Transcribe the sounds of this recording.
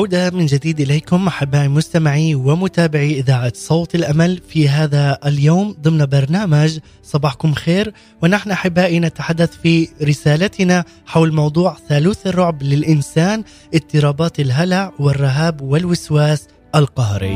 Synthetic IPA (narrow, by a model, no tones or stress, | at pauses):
ʕawd̪amɪnd͡ʒad̪iːd̪ʔɪlajkʊmʔaħɪbːaːʔimʊst̪amɪʕiwɪmʊt̪aːbɪʕiʔɪðaːʕat̪sˤɑwt̪ɪlʔamalfiɦaːðaljoːmd̪ˤɨmnbɑɾˤnaːmad͡ʒ | sˤɑbɑːħkʊmxeːɾ | wɪnaħnʔaħɪbːaːʔinat̪aħad̪ːaθfiɾɪsaːlat̪ɪna | ħawlmɑwd̪ˤuːʕθaːluːθrˤːʊʕblɪlʔɪnsaːn | ʔɪt̪ːɨɾˤɑːbaːt̪ɪlɦalaʕwɪrˤːɪɦaːbwɪlwɪswaːs | ʔalqɑhɾḭ